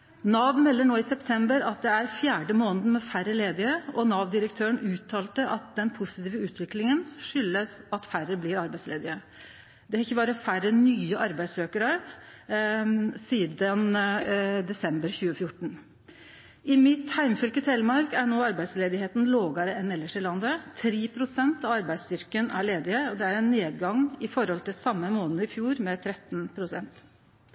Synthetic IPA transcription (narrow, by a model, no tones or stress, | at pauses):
nɑʋmɛlːəɳoːɪsɛpt̪ʰɛmbəɾɑt̪̚d̪ɛæɾfjæːɖəmoːnd̪n̩mɛfærːəleːd̪ɪəɔnɑːʋd̪ɪɾəkt̪ʰøːəɳʉːt̪ʰɑːlt̪əʔɑt̪̚d̪ɛnpʰʊsɪt̪iːʋəʉːt̪ʰʋɪklɪŋənʂʏlːəsɑt̪færəblɪɾɑɾbæɪsleːd̪ɪə | d̪ɛɑɾɪçːəbɑːɾəfærənyːəʔɑɾbæɪd̪søːkəɾə | siːd̪ən | d̪ɛsɛmbəɾçʉːəfjʊʈːɳ̩ | ɪmɪt̪hæɪmfʏlkət̪ʰɛlmɑɾkæɳoːɑɾbæɪd̪sleːd̪ɪheːt̪n̩loːɡɑɾəɛnɛlːəʂɪlɑnd̪ət̪ʰɾeːpʰɾʊsɛnt̪ɑʋɑɾbæɪd̪st̪ʏɾkənʔæɭeːd̪ɪəɔd̪ɛæɾɛnːeːd̪ɡɑŋɪfɔɾhɔlt̪ɪlsɑmːəmoːnənəɪfjuːɾmɛt̪ʰɾɛt̪ːnpʰɾʊsɛnt̪